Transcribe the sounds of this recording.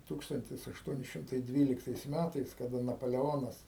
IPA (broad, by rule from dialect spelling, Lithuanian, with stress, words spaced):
ˈtuːkstɐnʲtʲɪs ɐʃˈtuɔnʲɪ ˈʃʲɪmtɐɪ ˈdʲʋʲiːlʲɪktɐɪs ˈmʲætɐɪs kɐˈdɐ nɐpɐlʲɛˈoːnɐs